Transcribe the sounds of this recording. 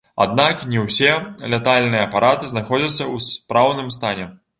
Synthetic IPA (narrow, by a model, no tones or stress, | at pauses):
a̰d̪naknʲɛwsʲɛlʲɛt̪alʲnɨjɐːpaɾʔat̪ɨznaxɔd͡zʲɐt̪sːɐwspɾawnɨmst̪anʲɛ